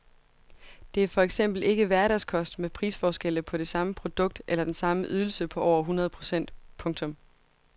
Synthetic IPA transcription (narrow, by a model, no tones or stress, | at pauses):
d̥e̝æɐfɒ̽eɡ̥sem̰b̥l̩e̝ɡ̥əʋæɐɾ̥æskʰɒ̽sd̥mepʰʁḭːsfɒːsɡ̥el̰əpʰɒ̽ɾ̥e̝sɑ̈məpʰʁo̝d̥ɔ̽ɡ̥̚d̥ʔelɐd̥ensɑ̈məʔyð̞ˠl̩səpʰɒ̽ʔɒ̰ʊ̰ɐɦunʁɐðˠpʰʁo̝̥sen̰d̥pʰɔ̽ŋt͡sʰɔ̽m